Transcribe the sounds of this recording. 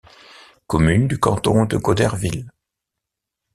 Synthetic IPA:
kɔmynd̪ykɑ̰̃t̪ɔ̰̃d̪əɡɔd̪ɛʁvil

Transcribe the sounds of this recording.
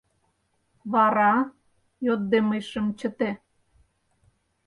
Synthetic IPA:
βɑɾɑ | jot̪̚d̪eməjʃə̆mt͡ɕə̆t̪e

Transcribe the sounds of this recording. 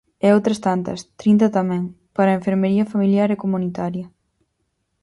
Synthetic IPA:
ɛowt̪ɾɐst̪ant̪ɐ̰st̪ɾint̪̬ɐt̪amɛ̃ŋ | paɾɐeɱfeɾmeɾiɐfamiljaɾekomunit̪aɾjɐ

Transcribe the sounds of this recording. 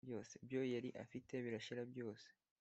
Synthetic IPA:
jo̞ːsebjojeɾiʔa̰fite̞βiɾaʃiɾabjo̞ːse̥

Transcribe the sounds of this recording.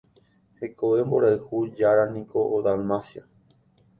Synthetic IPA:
hekoʋemboɾaɨhud͡ʒaɾanĩko̞ʔod̪almasja

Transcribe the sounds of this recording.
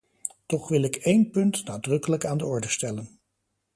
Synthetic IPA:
tɔχʋɪlˠɪkejnpɵntnaːdrɵkələkaːndəɔɹdəstɛlən

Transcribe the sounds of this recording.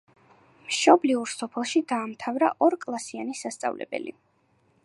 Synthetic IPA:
mʃɔbliuɾsɔpʰɛlˠʃid̪aːmt̪ʰavɾaʔɔɾkʼlˠasianisast̪sʼa̰vlɛ̰bɛ̰lḭ

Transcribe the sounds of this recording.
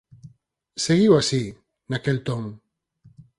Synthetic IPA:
seɣiwasi | nakelt̪oŋ

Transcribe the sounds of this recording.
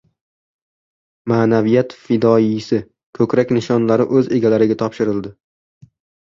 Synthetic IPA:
maːnavijat̪fɪd̪ɒisɪ | kʰɵkɾakʲnɪʃɒnlaɾɪʔɵze̞ɡʲalaɾɪɡʲat̪ʰɒpʃɪɾɪld̪ɪ

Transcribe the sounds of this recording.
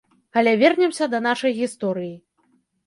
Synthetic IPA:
ɐlʲɛvʲɛrnʲɛmsʲɐd̪ɐnaʂɐjɣʲist̪ɔɾɨji

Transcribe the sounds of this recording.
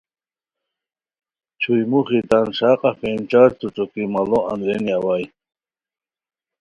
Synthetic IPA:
t͡ɕʰujmuχit̪anʂaqʼɑfɛmt͡ʃaɾt̪ut͡sɔkimalɔa̰nd̪ɾɛniawaj

